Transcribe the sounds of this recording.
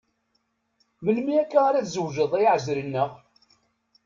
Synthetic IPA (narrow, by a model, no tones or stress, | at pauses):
məlmiækːaaɾæθzəwʒəðˤæjʕzɾənːəʁ